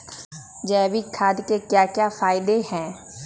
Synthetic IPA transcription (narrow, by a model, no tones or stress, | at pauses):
d͡ʒɛːbikʰaːd̪kekjakjafaːɪd̪ehɛ̃ː